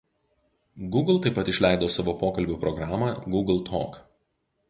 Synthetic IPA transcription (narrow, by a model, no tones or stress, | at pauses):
ɡʊɡlˠt̪ɐɪpːɐt̪ɪʃʲlʲæˑɪd̪oːsɑʋoːpoːkɐlʲbʲupɾɔɡɾɑːmɐɡʊɡlˠt̪ʰo̰ːk